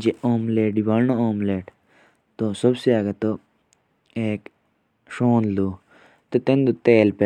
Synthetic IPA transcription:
d͡ʒeoːmleːɖiʋaɾnooːmleːʈ | t̪osɐbsiaːɡet̪o | eːk | ʃoːnluː | t̪et̪ẽnd̪ut̪eːlpe

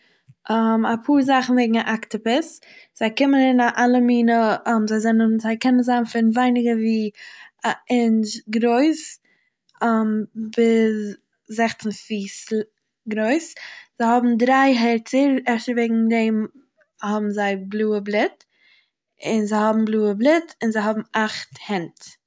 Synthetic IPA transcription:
ʔamapʰuːɾzaχn̩veɪɡŋ̩aʔaktɪpɪsz̥aɪkɪmənɪnaʔalˠəmiːnəmzaɪzɛnənzaɪkɛnənzaːnfɪnvaɪnɪɡəviː | ɪnʃɡɾoɪs | mbɪz | zɛχtn̩fiːsl | ɡɾoɪsz̥aɪhɔbm̩dɾaɪɦɛɾtt͡səɾɛɾtəveːɡŋ̩dɛɪm | hɔbm̩zaɪblˠuːəblˠɪt | ɪnzaɪhɔbm̩blˠuːəblˠɪtɪnzaɪɦɔbm̩aχthɛnt

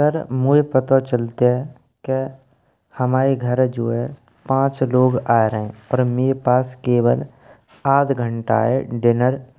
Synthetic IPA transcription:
əɾmuepət̪ot͡ʃəlt̪eɦɛ | ke | həmaːɾeɡʱəɾd͡ʒoːe | pãːt͡ʃloːɡaːeɾəɦẽɔːɾmeːɾepaːskeːwəl | aːd̪ʰɡʱəɳʈa̰ːḛɖɪnəɾ

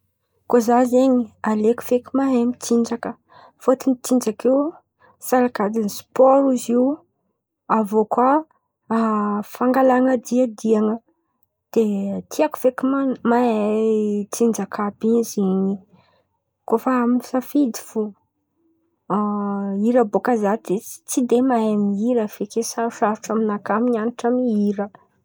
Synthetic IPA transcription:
kozazeɲialeku̥fekimaɦemit͡siɳd͡ʒakə | fot̪initind͡ʒakew | saɾakad̪inispɔɾuziw | avokwaː | faŋɡalaŋad̪iad̪iaŋə | d̪̥et̪ʰiaku̥v̥ekimama | t͡sind͡ʒakʰabiziɲi | kofaaminisafid̪i̥fu | iɾəbokazad̪e̥t͡sid̪emaamiɾəv̥ekesaɾuʃaɾuʈ͡ʂaminakamiɲaniʈ͡ʂamniiɾə

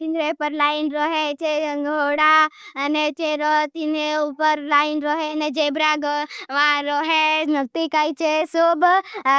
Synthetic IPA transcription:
t̪inɾepəɾlaːjinɾɔɦet͡ʃeɡʱoɽaənet͡ʃeɾɔt̪ineupəɾlaːɪnɾɔɦened͡ʒebɾaɡʋãɾɔːɦenək̚t̪ikait͡ʃesob

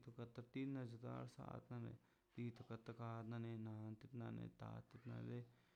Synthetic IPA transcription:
t̪okɐt̪ːɐɾt̪inɐd͡ʒɐt̪a̰ːɾsa̰ːt̪nanḛ | t̪iːt̪okɐt̪ːɐkaːt̪nanenaːnt̪ip̪nanḛt̪a̰ːt̪ːip̪na̰le

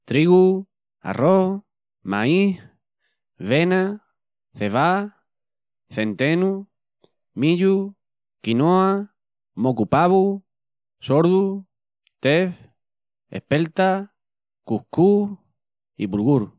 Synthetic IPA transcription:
t̪ɾiɣu | a̰roh | maih | βena | θeβa | θe̞nt̪enu | miʎu | kinoa | mokupaβu | soɾðu | t̪ef | ḛhpelt̪a | kuhku | ipulɣuɾu

